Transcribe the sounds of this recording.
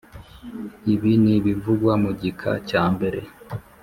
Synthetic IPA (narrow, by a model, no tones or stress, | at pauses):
iβiniβivuɡwamuɟikʰa̰caːmbe̞ɾe̞̰